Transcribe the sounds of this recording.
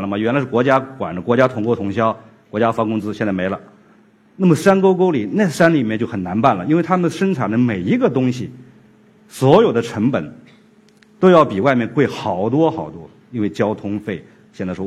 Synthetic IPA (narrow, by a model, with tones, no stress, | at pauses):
ə˧mɐ˩ɥɛ˧˥nla˧˥ɪʂɻ̩˥˩kwɔ˧˥t͡ɕja˥kwa̰˨˩nə˦kwɔ˧˥t͡ɕja˥t̪ʰʊ˧˥ŋkwɔ˥˩t̪ʰʊ˧˥ŋɕjɑ˥ʊ | kwɔ˧˥t͡ɕja˥fa˥kʊ˥ŋt͡sɹ̩˥ɕjɛ˥˧nt͡sa˥˩me˧˥ɪlə˧ | na˥˩mə˩ʂa˥nko˥ʊko˥ʊli˨˩˦na˥˩ɪʂa˥nli˨˩mɛ˥˧t͡ɕo˥˩xə˨˩na˧˥npa˥˩nlə˩i˥nwe˥˩ɪt̪ʰa˥mə˨nd̪ə˩ʂə˥nʈ͡ʂʰa˨˩nd̪ə˦me˨˩ɪi˧˥ɡə˥˧t̪ʊ˥ŋɕi˨ | swɔ˧˥jo˨˩ʊd̪ə˦ʈ͡ʂʰɤ˧˥ŋpə˨˩˦n | t̪o˥ʊjɑ˥˩ʊpi˨˩wa˥˧ɪmjɛ˥˧nkwe˥˩ɪxɑ˨˧˩ʊt̪wɔ˥xɑ˨˩ʊt̪wɔ˥ | i˥nwe˥˩ɪt͡ɕjɑ˥ʊt̪ʰʊ˥ŋfe˥˩ɪ | ɕjɛ˥˩nt͡sa˥˩ɪʂ